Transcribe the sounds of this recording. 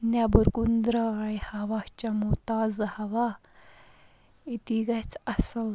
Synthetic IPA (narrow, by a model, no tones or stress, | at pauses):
njabəɾkund̪ɾaajhɐʋat͡ɕamut̪aːzhɐʋa | it̪iɡat͡sasəl